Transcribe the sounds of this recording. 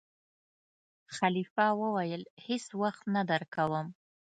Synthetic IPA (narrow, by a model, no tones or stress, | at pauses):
χalifawəwajəlheswaχt̪nad̪əɾkawəm